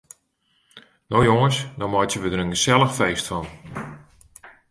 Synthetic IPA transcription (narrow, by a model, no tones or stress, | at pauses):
nojoŋənsdɔmɔjtjəʋədəɾənɡəsɛlˠəxfejstfɔn